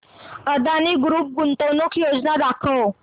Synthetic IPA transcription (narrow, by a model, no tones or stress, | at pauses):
əd̪aniɡɾuːp̚ɡunt̪onukjod͡znad̪akʰəw